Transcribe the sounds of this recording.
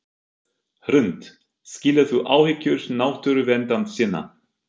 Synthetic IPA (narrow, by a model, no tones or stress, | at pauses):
hɾʏnt̪ | sciːlaθuʔaːwhɪcːʏɾ̥naːwht̪ʏɾʏvɛnt̪ant̪sɪːnːa̰